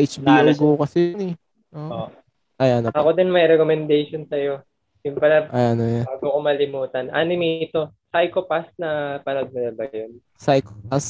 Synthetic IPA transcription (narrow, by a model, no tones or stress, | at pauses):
ʔet͡ʃbiɐɡokɐsɪjnɛ | ʔoo | ʔɐjɐnoʔɐko̞d̪ɪnmɐjɾɛkomɛnd̪ejʃonsɐjo̞ | jʊnpɐlɐʔajʔɐnojanaːɡokomɐlɪmuːt̪ɐnʔaːnɪmiɪt̪o̞sajkopasnɐpɐlɐɡ̚mɐnɐbɐjon | sajkopas